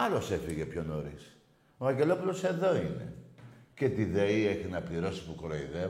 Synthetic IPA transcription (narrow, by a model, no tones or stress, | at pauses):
ɐlo̞se̞fiɣe̞pço̞no̞ɾis | oɐɲɟe̞lo̞pulo̞se̞ðo̞ine̞̰ce̞t̪iðeieçinɐpliɾo̞si̥pukɾoiðe